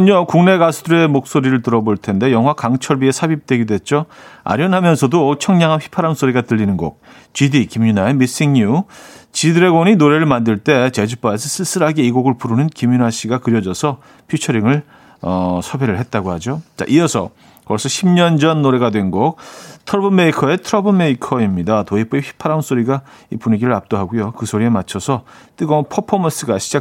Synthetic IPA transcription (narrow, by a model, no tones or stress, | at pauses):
ʌɲokuŋne̞ɡasʰudʰuɾe̞mok̚s͈oɾiɾɯɭt̬ɯɾʌboɭtʰe̞nde̞jʌŋɦwakaŋt͡ɕʰʌɭbie̞sʰabip̚t͈weɡidwe̞t̚t͡ɕ͈oa̰ɾjʌnɦamjʌnsʰʌdot͡ɕʰʌŋɲaŋɦanɸʰi̥pʰaɾams͈oɾiɡatɯʎːinɯnɡok̚ | t͡ɕidikimɲunaemis͈iŋɲut͡ɕidɯɾe̞ɡʌɲinoɾe̞ɾɯɭmandɯɭt͈e̞t͡ɕe̞d͡ʑup͈aes̬ʰʌsʰɯs͈ɯɾaɡeiɡoɡɯɭpuɾunɯnkimɲunaɕ͈ʰiɡakɯɾjʌd͡ʑʌsʰʌ | pʰit͡ɕʰʌɾiŋɯɭ | ʌsʰʌbeɾɯɭɦe̞t̚t͈aɡohad͡ʑot͡ɕa̰ʔijʌsʰʌ̰ | kʌs͈ʌɕʰimɲʌnd͡ʑʌnːoɾe̞ɡadwe̞nɡok̚tʰɯɾʌbɯmeikʰʌe̞tʰɯɾʌbɯme̞ikʰʌimɲidatoip͈uipʰi̥pʰaɾans͈oɾiɡaipuɲiɡiɾɯɾap̚t͈oɦaɡujokɯsʰoɾie̞mat͡ɕʰʌsʰʌt͈ɯɡʌpʰʌpʰʌmʌs͈ɯɡaɕʰid͡ʑa